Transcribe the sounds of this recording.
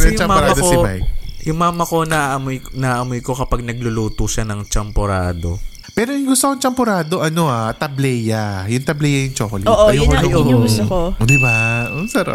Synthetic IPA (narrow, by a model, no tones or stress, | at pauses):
jʊt͡ʃɐmaːɾamːɐd̪ksomajjʊŋmaːmɐko̞nɐʔʔɐmojnɐʔɐmojko̞kɐpɐɡ̚nɐɡ̚lʊluːt̪uʃɐnɐŋt͡ʃɐmpoɾaːd̪o̞̰ | pɛːɾojʊŋɡʊst̪okoŋt͡ʃɐmpoɾaːd̪o̞ʔɐno̞at̪ɐblɛjajʊŋt̪ɐblɛjɐjʊŋt͡ʃoːkolɪoːʔojokoojɡʊst̪okod̪ɪbaʊsɐɾa̰p